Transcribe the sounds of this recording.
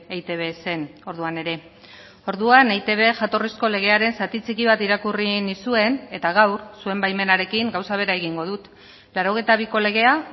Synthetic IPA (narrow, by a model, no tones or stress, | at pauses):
ejt̪e̞βe̞se̞no̞ɾðuane̞ɾe̞ | o̞ɾðuanejt̪e̞β̞e̞ʝat̪o̞risko̞le̞ɣ̞e̞aɾe̞nsat̪it͡sikiβ̞at̪iɾakurinisue̞ne̞t̪aɣ̞awɾsue̞mbajme̞naɾe̞kiŋɡawsaβ̞e̞ɾae̞ɣ̞iŋɡo̞ðut̪ | laɾo̞ɣejt̪aβ̞iko̞le̞ɣ̞e̞a